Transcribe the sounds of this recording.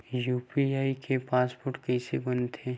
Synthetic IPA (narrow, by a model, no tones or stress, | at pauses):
juːpiaːikʰepaːspoːɾʈkɛːsebɐ̃nd̪t̪ʰeː